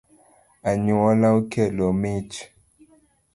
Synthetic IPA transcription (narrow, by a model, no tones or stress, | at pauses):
aɲuɔlaukɛlomit͡ʃ